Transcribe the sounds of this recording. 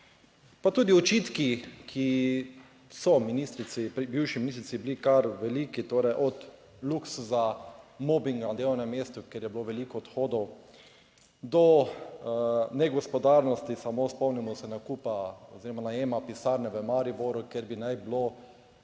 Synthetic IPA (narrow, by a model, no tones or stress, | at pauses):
pat̪uːd̪iɔt͡ʃiːt̪kikʰi | sɔminist̪ɾit̪sipɾibiwʃiminist̪ɾit̪siblikaɾʋɛliːkit̪oːɾɛjʔɔt̪ | luksuzamɔːbiŋɡad̪jewnɛmːjeːst̪ukjeɾjɛbiloʋɛliːkɔːt̪xoːd̪ɔw | d̪ɔ | nɛɡɔspɔd̪aɾnɔst̪isamospɔwnimɔsɛnakupaɔziːɾɔmanajeːmapisaːɾnɛʋəmaɾiboɾukjeɾbinajblo